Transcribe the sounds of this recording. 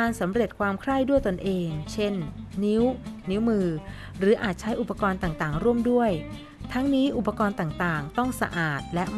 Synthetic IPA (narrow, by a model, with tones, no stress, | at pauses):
aː˧nsa˩˦mɾe˨˩t̪̚kʰwaː˧mkʰɾa˥˩jdu˥˩əjt̪o˧nʔeː˧ŋt͡ɕʰe˥˩nːi˦˥wni˦˥wmɯː˧ | ɾɯː˩˦ʔaː˨˩t̪̚t͡ɕʰa˦˥jʔu˨˩pːa˧kɔː˧nt̪aː˨˩ŋt̪aː˨˩ŋɾu˥˩əmdu˥˩əj | t̪ʰa˦˥ŋniː˦˥ʔu˨˩pːa˧kɔː˧nt̪aː˨˩ŋt̪aː˨˩ŋt̪ɔ˥˩ŋsa̰˧ʔaː˨˩t̪̚lɛ˦˥ʔm